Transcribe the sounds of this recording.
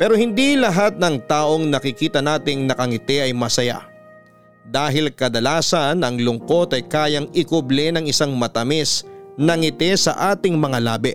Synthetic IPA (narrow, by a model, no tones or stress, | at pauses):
pɛːɾo̞hɪnd̪ilɐɦat̪̚nɐŋt̪aːʔo̞ŋnɐkɪkiːt̪ɐnaːt̪ɪŋnɐkɐŋɪt̪ɛʔɐjmɐsɐja̰ | d̪aːɦɪlkɐd̪ɐlaːsɐnɐŋlʊŋko̞t̪ɐjkaːjɐŋɪkʊblɛnɐŋɪsaŋmɐt̪ɐmɛsnɐŋɪt̪ɛsɐ̰ʔaːt̪ɪŋmɐŋalaːbɛ